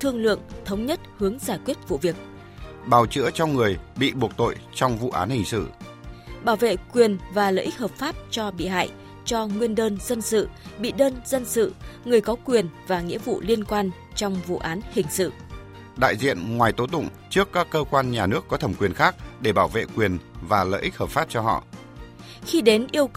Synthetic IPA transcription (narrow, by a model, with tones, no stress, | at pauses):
t̪ʰɨ˧əŋlɨ̰˧˨əŋt̪ʰə˨˦wŋ͡mɲə˦˥t̚hɨ˨˦əŋzaː˧˩kwi˦˥ət̚vṵ˧˨vi˨˩ək̚ | ɓaː˧˩wt͡ɕɨ̰˧˥ət͡ɕɔ˧ŋ͡mŋɨ˨˩əjɓḭ˧˨ɓu˨˩ək̚t̪o̰˧˨jt͡ɕɔ˧wŋ͡mvṵ˧˨ʔaː˨˦nhï˨˩ŋ̟sɨ̰˧˨ | ɓaː˧˩wvḛ˧˨kwi˨˩ənvaː˨˩lə̰ː˧˨ʔi˦˥k̚həː˨˩p̚faː˦˥p̚t͡ɕɔ˧ɓḭ˧˨ɦa̰ː˧˨j | t͡ɕɔ˧ŋwi˧ənɗəː˧nzə˧nsɨ̰˧˨ɓḭ˧˨ɗəː˧nzə˧nsɨ̰˧˨ŋɨ˨˩əjkɔ˨˦kwi˨˩ənvaː˨˩ŋḭ˧˥əvṵ˧˨li˧ənkwaː˧n | t͡ɕɔ˧wŋ͡mvṵ˧˨ʔaː˨˦nhï˨˩ŋ̟sɨ̰˧˨ | ɗa̰ː˧˨jzḭ˧˨ənŋwaː˨˩jt̪o˨˦t̪ʊ̰˧˨ŋ͡m | t͡ɕɨ˦˥əkːaː˦˥kːəː˧kwaː˧nɲaː˨˩nɨ˦˥əkːɔ˨˦t̪ʰə˨˩mkwi˨˩ənxaː˦˥k̚ɗe˧˩ɓaː˧˩wvḛ˧˨kwi˨˩ənvaː˨˩lə̰ː˧˨ʔi˦˥k̚həː˨˩p̚faː˦˥p̚t͡ɕɔ˧hɔ̰˧˨ | xi˧ɗe˨˦nʔi˧əw